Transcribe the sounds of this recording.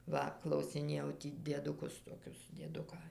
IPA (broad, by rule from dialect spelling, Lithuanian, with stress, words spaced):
ˈʋɐ klˠɐʊsʲɪˈnʲeːjɛʊ ˈtʲiː dʲiɛdʊˈkʊs toːˈkʲʊs dʲiɛˈdʊkɑː